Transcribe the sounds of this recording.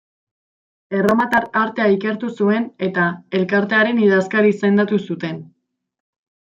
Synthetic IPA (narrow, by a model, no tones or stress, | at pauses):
e̞ramat̪araɾt̪e̞aike̞ɾt̪usue̞ne̞t̪ae̞lkaɾt̪e̞aɾe̞niðaskaɾise̞nd̪at̪usut̪e̞n